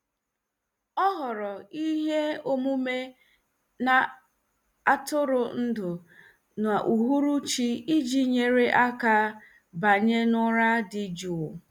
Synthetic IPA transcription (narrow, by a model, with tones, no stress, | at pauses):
ɔ˦ɦɔ˨ɾɔ˨i˦ɦe˦o˦mu˦me˦ | na˨ | a˦tʊ˦ɾʊ˨n̩˦dʊ˨ | na˨ʔu˨ɦu˦ɾu˦t͡ʃi˦i˦d͡ʒi˨ɲe˨ɾe˦ʔa˦ka˨ | ba˨ɲe˦nʊ˦ɾa˦dɪ˨d͡ʒu˨ʊ˨